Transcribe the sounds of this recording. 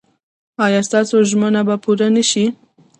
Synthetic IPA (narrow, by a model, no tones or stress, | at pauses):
ɑːjɑːst̪ɑːsoʒmanabapʰuɾanəʃi